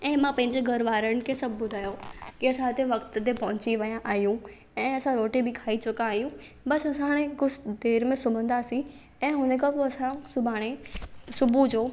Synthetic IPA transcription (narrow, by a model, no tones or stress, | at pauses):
ɛ̃ːmãpɐ̃ɦɪ̃ɲd͡ʑeɡɐɾʋaːɾəɽ̃ɪ̆kʰesɐb̚ʱbʊd̪ʱaːjokiɐsãt̪ʰeʋɐkt̪t̪epɐɦʊ̃t͡ɕiʋɐjãʔaːɦjũ | ɛ̃ːɐsãɾoːʈebɪkʰaːit͡ɕʊkãaːɦjũ | bɐsɐsãɦɽ̃ẽkʊsd̪eːɾmẽsʊb̤ʱə̃nd̪aːsĩ | ɛ̃ːɦʊnəkʰãpoɐsãsʊbʱaːɽ̃esʊbud͡ʑoː